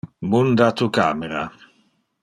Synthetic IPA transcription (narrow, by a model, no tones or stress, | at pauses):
mund̪at̪uka̰ːmeɾa̰